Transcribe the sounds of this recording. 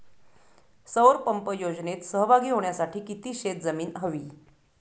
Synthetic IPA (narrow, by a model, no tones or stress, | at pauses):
səwɾpəmpəjod͡znet̪səɦbʱaɡiːɦoɳjasaʈʰiːkit̪iːɕet̪̚d͡zəmiːnɦəʋiː